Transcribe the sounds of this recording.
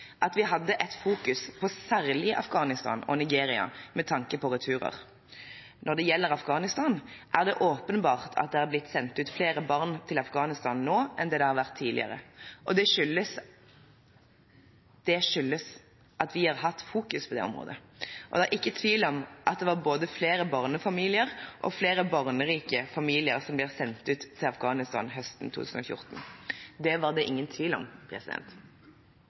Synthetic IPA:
ʔɑt̪ʋɪɦɑd̪ːəʔɛt̪fuːkʉspʰɔsæʁlɪʔɑ̰fɡɑːnɪst̪ɑ̰ːnɔ̰nɪɡeːɾɪɑ̰mɛt̪ʰɑŋkəpʰɔʁʉt̪ʰʉːɾə̰ʁ | nʔɔʁd̪ɛjɛlːəɾɑfɡɑːnɪst̪ɑnʔæʁd̪ɛʔoːpənbɑːʁt̪ʰɑ̰t̪̚d̪ɛæɾblɪt̪ːsɛnt̪ʉːt̪fleːɾəbɑʁnt̪ʰɪlɑfɡɑːnɪst̪ɑnnoːɛnd̪ɛːd̪ɛhɑɾʋæʁt̪ʰːiːd̪ɪ̰ə̰ɾə̰ʔɔd̪ɛʂʏlːəs | d̪̥ɛʂʏlːəs | ʔɑt̪ʋɪhɑʁɦɑt̪ːfuːkʉspʰɔd̪ɛ̰ɔ̰mʁo̰ːd̪ə̰ʔɔd̪ɛɑɾʔɪkːət̪ʰʋiːlɔmʔɑt̪̚d̪ɛʋɑːboːd̪əfleːɾəbɑʁnəfɑmiːlɪəɾʔɔ̰fleːɾəbɑʁnəʁiːkəfɑmiːlɪəɾsɔmblɪːʁsɛnt̪ʉːt̪ʰːɪlɑfɡɑːnɪst̪ɑ̰ːnɦœst̪n̩t̪ʰṵːt̪ʉːsn̩ɔ̰fjʊ̰ʁt̪nd̪ɛʋɑːʁd̪ɛʔɪŋːənt̪ʰʋiːlɔ̰mpʰɾɛ̰sɪd̪ɛ̰nt̪

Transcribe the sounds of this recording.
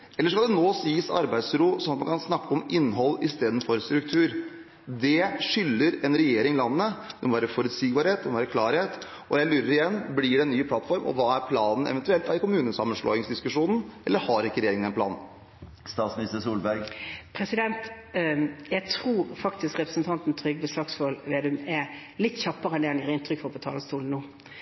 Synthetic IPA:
ʔɛləʂkɑld̪ɛnoːsiːsɑ̰ɾbæɪd̪sɾuːsɔmɑt̪mɑnkʰɑnsnɑkːəɔmɪnːɦɔlːɪst̪eːd̪ən̩fɔɾst̪ɾʉkt̪ʰʉːɾ | d̪ɛʂʏlːəɾɛnɾɛjeːɾɪŋlɑnːəːəd̪ɛmɔʋæːɾəfɔɾʉt̪siːɡ̚bɑːɾheːt̪̚d̪ɛmɔʋæːɾəkʰlɑːɾheːt̪ | ʔɔjæɪlyːɾəɾɪjɛnːblɪɖɛnːyːpʰlɑt̪fɔɾmɔ̰ʋɑːæɾpʰlɑːnn̩ɛ̰ʋɛnt̪ʉɛlt̪æɾkʊmʉːnəsɑmːənʂɭɔ̰ːɪŋsd̪ɪskʉʂuːnn̩ʔɛlːəɾhɑɾɪkːəɾɛjeːɾɪŋd̪ɛnplɑ̰ːnn̩ | st̪ɑːt̪smnɪst̪əsuːlbæɾɡpʰɾɛsɪd̪ɛnt̪ | jæt̪ʰʁuːɾfɑk̚t̪ɪskʁɛpɾəsn̩t̪ʰɑnt̪n̩t̪ʰɾʏɡbəslɑːksfɔlʋeːd̪ʉmɛlɪt̪ːçɑpːəʁəɛnd̪ɛɛnɪʁɪnt̪ʰɾʏkfɔɾpʰɔt̪ʰɑːləst̪uːln̩nuː

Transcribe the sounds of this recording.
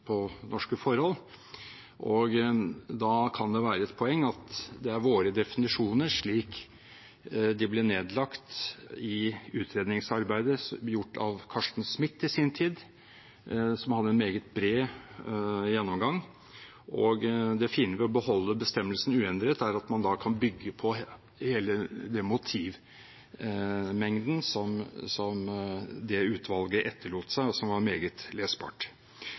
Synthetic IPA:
pʰɔnʔɔʂkəfɔɾhɔlː | ʔɔɡd̪ɑkʰɑnd̪ɛʋæːɾəɛt̪̚pʰɔɛŋːɑt̪d̪ɛæɾʋoːɾəd̪ɛfɪnɪʂuːnəʂɭiːk | d̪ɪblɪɳeːd̪lɑkt̪ɪʉːt̪ʰɾeːd̪nɪŋsɑɾbæɪd̪əjʊʈːɑ̰ʋkʰɑʂʈn̩smɪt̪ːɪsɪnt̪ʰiːd̪ | sɔmhɑd̪ːəɛnmeːɡət̪̚bɾeː | jɛnːɔmɡɑŋː | ʔɔɡd̪ɛfɪnːəʋɪɔbəhɔlːəbəst̪ɛmːəlsn̩ʉːɛnd̪ɾɛt̪æɾɑt̪mɑnd̪ɑːkʰɑnbʏɡːəpʰɔ | heːləd̪ɛmʊt̪ʰiːʋ | mɛŋd̪n̩sɔmsɔmd̪ɛʉːt̪ʰʋɑlɡəʔɛt̪ʰːəɭuːt̪əsæɪɔsɔmʋɑɾmeːɡət̪leːsbɑ̰ːʈ

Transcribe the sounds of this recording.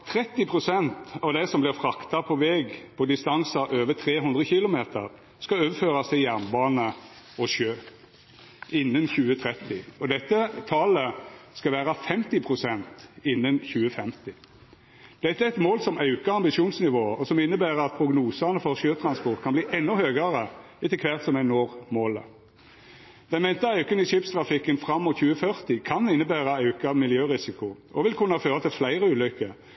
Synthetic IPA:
t̪ʰːɾɛt̪ːɪpʰʁʊsɛnt̪ɑʋd̪æɪsɔmblɪʁfɾɑkt̪ɑpʰɔʋɛɡpʰɔd̪ɪst̪ɑnsɑʔøːʋət̪ʰɾeːɦʉnd̪ʁəçɪlʊmeːt̪ə̰ʁ | skɑøːʋəføːɾɑst̪ʰɪljæʁnbɑːnə | ɔʃøː | ʔɪnːənçʉːət̪ʰɾɛt̪ːɪɔd̪ɛt̪ːət̪ʰɑːləskɑʋæːɾɑfɛmt̪ɪpʰɾʊsɛnt̪ɪnːənçʉːəfɛmt̪ɪ | d̪̥ɛt̪ːəæɛt̪moːlsɔmɑʉkəɑmbɪʂjuːnsnɪʋoːɔsɔmɪnːəbæːʁəɑt̪̚pʰʁʊɡnuːsənəfɔʁʃøːt̪ʰɾɑnspɔʁt̪kʰɑnbliːʔɛnːɔhøːɡəɾə | ɪt̪əkʰʋæʁt̪sɔmɛnoːʁmoːlə̰ | d̪̥ɛnmɛnt̪ɑɑʉkənɪʂɪpst̪ʁɑfɪkːənfɾɑmːɔt̪çʉːəfœʁt̪ɪkʰɑnɪnːəbæːʁəɑʉkɑmɪljøːʁɪsɪkʊʔɔʋɪlkʰʊnːɑføːɾət̪ʰɪlflæɪʁəʉːlʏkːə

